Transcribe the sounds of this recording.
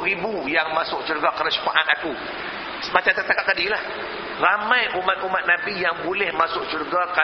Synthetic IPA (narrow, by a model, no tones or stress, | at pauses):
ɾibujaŋmasʊk̚t͡ʃuɾɡakaɾasu̥kaʔat̪aku | smat͡ʃat̪at̪akaʔ̚k̪adilah | ramajʔumat̪̚umat̪̚nabijaŋbolɛhmasʊʔ̚t͡ʃuɾɡaka